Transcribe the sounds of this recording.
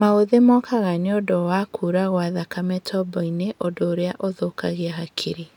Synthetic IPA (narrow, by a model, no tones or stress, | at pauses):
maoðemɔkaɣaneodɔwakʰuːɾaɣwaðakamɛtʰɔbɔineʔodoːɾeaʔoðokaɣeaɦakʰiɾi